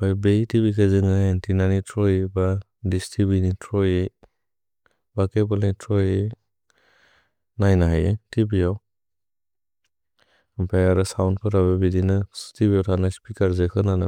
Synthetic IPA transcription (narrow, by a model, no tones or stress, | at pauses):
bajbeitʰibikʰazɯŋaentʰinanitʰɾɔjeba | distʰibinitʰɾɔje | bakebɔletʰɾɔje | najnaɦajetʰibijaw | bajaɾɯsawnpʰɯɾaβebidinɯstʰibijawtʰanaspikaɾzekʰɯnana